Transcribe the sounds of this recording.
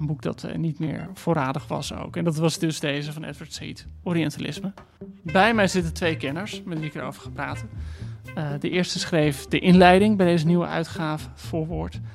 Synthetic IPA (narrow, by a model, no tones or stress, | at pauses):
ənbuk̚dɑ̰tnitmɪ̰ːɹfʊːɾaːdəχʋɑ̰so̰wkɛndɑtʋɑzdɵzdejzəvɑnɛ̰tʋəɹtsḭtoɾiɛntalɪ̰smə | bɛjmɛjzɪtətʋejkɛnəɹsmɛtʋiɪkəɹo̰wvəɹχanpra̰ːtə | dəʔɪːɹstəsχrejfdəʔɪnlɛjdɪŋbɛjdejzəniwə̰ʔœ̰ɥtχaːvəfʊːɹʋʊːɹt